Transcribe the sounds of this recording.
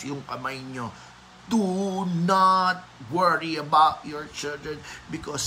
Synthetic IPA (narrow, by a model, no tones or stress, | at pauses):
jʊŋkɐmajɲo | d̪̥unat̪̚wəɹiɐbawt̪jɔɹt͡ʃɪld̪ɹɛ̃nbɪkɔs